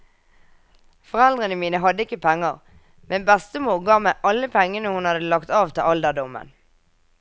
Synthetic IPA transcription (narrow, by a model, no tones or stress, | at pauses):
fɔʁɛld̪ʁənəmiːnəɦɑd̪əɪkəpʰɛŋːəʁ | mɛnbɛst̪əmuːʁɡɑːmæʔɑlːəpʰɛŋːənəhʊnhɑd̪əlɑkt̪ɑːʋt̪ʰɪʔɑld̪əd̪ʊmə̰n